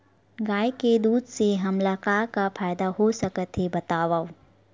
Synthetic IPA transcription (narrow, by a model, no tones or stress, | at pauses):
ɡaːjked̪uːd̪seɦɐmlakaːkapʰaːjd̪aɦosɐkət̪ɦebɐt̪aːʋaː